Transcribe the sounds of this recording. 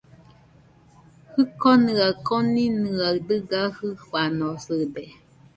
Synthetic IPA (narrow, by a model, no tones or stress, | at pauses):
hɯkonɯakoninɯad̪ɯɡahɯhanosɨd̪e